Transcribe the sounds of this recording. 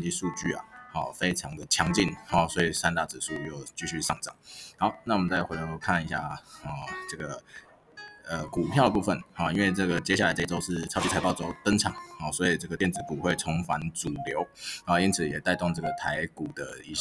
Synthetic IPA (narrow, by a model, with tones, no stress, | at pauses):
nt͡ɕi˥˧ʂu˥˧t͡ɕy̰˥˩a̰˨˩hɔ̰˥˩fe˥ɪʈ͡ʂʰɑ˧˥ŋd̪ə˨t͡ɕʰjɑ˧˥ŋt͡ɕi˥˨nhɔ˨swɔ˧˥i˨˩sa˥nt̪a˥˩t͡sɻ̩˨˩su˥˧jo˥˧ʊt͡ɕy˥˧ɕy˥˧ʂɑ̰˥˩ŋt͡sɑ̰˨˩ŋha˧˥ʊna˥˩wɔ˨mə˨nt͡sa˥˩ɪxwe˧˥˧kʰa˥˨ni˧˥ɕja̰˥˩ɔ˥˩ʈ͡ʂɤ˥˩ɡə˩ | ə˨ku˨˩pʰjɑ˥ʊd̪ə˨p̬u˥˧fə˨˩nhɔ˥˩i˥nwe˥˧ɪʈ͡ʂɤ˥˩ɡə˩t͡ɕjɛ˥ɕja˥˩la˧ɪʈ͡ʂi˧˩o˥ʊʂɻ̩˥˩t͡sʰʊt͡ɕʰi˥a˧ɪpɑ˥˨ʊt͡so˥ʊt̪ə˥ŋʈ͡ʂʰɑ˨˩˦ŋxɔ˥˩swɔ˧˥i˨˩ʈ͡ʂɤ˥˩ɡə˩t̪jɛ˥˩nt͡sɹ̩˨˧˥ku˨˩xwe˥˩ɪt͡sʰɔ˧˥ŋfa˧˥nt͡su˨˩ljo˧˦ʊhɔ˥˨˩i˥nt͡sʰɨ˨˩jɛ˨˩t̪a˥˧ɪt̪ɔ˥˧ŋt͡sɤ˥˩ɡə˩t̪ʰa˧˥ɪku˨˩d̪ə˦˩i˧˥